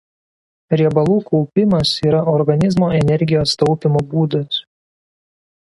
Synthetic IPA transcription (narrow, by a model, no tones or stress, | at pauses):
ɾʲɛbɐlˠuːkɔʊpʲɪmɐsiːɾɐʔɔɾɡɐnʲɪzmoːɛnʲɛɾʲɡʲɪjoːst̪ɒʊpʲɪmoːbuːd̪ɐs